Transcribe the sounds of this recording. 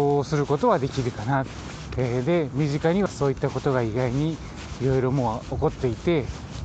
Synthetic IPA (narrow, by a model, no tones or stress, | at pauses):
osɨɾɯ̟ko̞t̪o̞βad̪e̞kʲiɾɯ̟kana | ed̪e̞mʲiʑikaɲ̟iβaso̞ːit̪ːako̞t̪o̞ɡaiɡaiɲ̟i | iɾo̞iɾo̞mo̞ːoko̞t̪ːe̞it̪e̞